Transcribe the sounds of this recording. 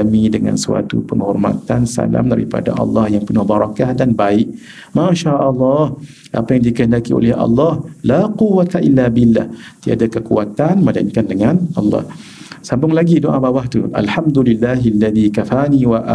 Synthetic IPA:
amĩdəŋa̰nsua̰t̪upəŋhɔ̰rma̰t̪ansa̰la̰mda̰ɾḭpa̰da̰ʔɑ̰lːɑhjaŋpənʊhbaɾakahdanbaɪʔ̚ | mãʃaʔɑlːɑh | ʔapajaŋdikəndakio̰lɛhɑ̰lːɑhlaquwat̪aʔilːabilːa̰ht̪ia̰dakəkuat̪anməlaiŋkandəŋanʔɑlːɑ̰h | sambʊŋlaɡidoʔãbawaht̪ṵʔa̰lħamd̪ulilːaɦalːaðikafaniwaʔa

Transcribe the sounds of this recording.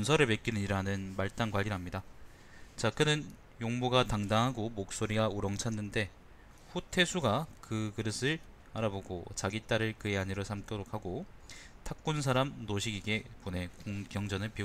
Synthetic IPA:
ʌnsʰʌɾɯɭmek͈inɯɲiɾanɯnmaɭt͈anɡwaʎːiɾɦamɲida | t͡ɕakɯnɯn | joŋmuɡataŋdaŋɦaɡomok̚s͈oɾiɡauɾʌŋt͡ɕʰanːɯnde̞ | ɸutʰe̞sʰuɡakɯkɯɾʌsʰɯɭ | aɾaboɡot͡ɕaɡit͈aɾɯɭkɯeaɲiɾosʰamk͈jʌɾok̚ʰhaɡotʰak̚k͈uns̬ʰaɾamnoɕʰiɡiɡe̞pone̞koŋɡjʌŋd͡ʑʌnɯɭpi

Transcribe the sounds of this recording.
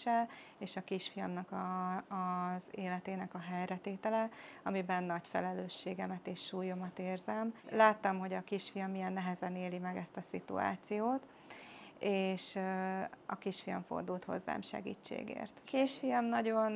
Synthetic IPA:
ɛl | eːʃɒkiʃfijɒmnɒkɒ | zeːlɛt̪eːnɛkɒɦɛjrɛt̪eːt̪ɛlɛɒmibɛnːɒɟfɛ̰lɛløːʃːeːɡɛmɛt̪eːʃːuːjo̞mɒt̪eːrzɛmlaːt̪ːɒmɦo̞ɟɒkiʃfijɒmːijɛnːɛɦɛzɛneːlimɛɡɛst̪ɒsḭt̪ṵa̰ːt̪sijoːt̪ | eːʃ | ɒ̰kiʃfijɒɱfo̞̰rd̪ult̪ho̞̰zːa̰ːmʃɛ̰ɡḭːt͡ʃːḛːɡḛːrt̪kiʃfijɒmnɒɟo̞n

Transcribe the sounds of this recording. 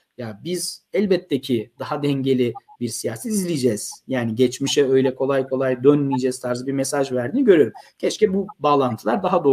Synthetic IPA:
jabizɛlʲbɛt̪ʰːecʰid̪aɦad̪ɛɲɟe̞lʲibiɾsijaːsɛt̪izlʲijd͡ʒɛːz̥jaːniɟɛt͡ʃmiʃɛø̞jlʲɛkʰo̞lˠajkʰo̞lˠajd̪ønmijed͡ʒɛz̥t̪ʰaɾzɯbiɾmɛsaʒvæɾd̪iːniɟø̞ɾyjoɾumcʰɛt͡ʃcɛbubaːlˠant̪ʰɯlˠaɾd̪aɦad̪o̞

